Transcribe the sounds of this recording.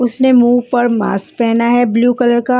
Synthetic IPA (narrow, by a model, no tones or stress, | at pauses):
ʊsnemuːʋpɐɾma̰ːs̚pɛɦnaɦɛbljuːkɐləɾka